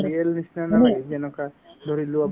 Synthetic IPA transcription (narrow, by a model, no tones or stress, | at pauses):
iɛlnisnanaaɦianɔka | d̪ʱɔɾiluab